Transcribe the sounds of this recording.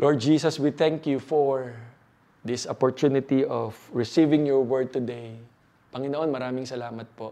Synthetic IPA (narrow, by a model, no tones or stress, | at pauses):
lʔoɹd̪̚d͡ʒiːsɐswiθɛ̃ŋkjufɔɹ | d̪ɪsʔɔpɔɹt̪unɪt̪iʔɔvɹɪsivɪ̃ŋjɔɹwɛɹd̪̚t̪ʊd̪ej | pɐŋɪnoʔonmɐɾaːmɪŋsɐlaːmɐt̪̚po